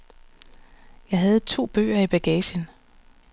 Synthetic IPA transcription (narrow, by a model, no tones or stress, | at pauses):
jɑ̈ɪɦæð̞̩ˠt͡sʰo̝̰ːb̥ø̰ːɐib̥æɡ̥ɛɕən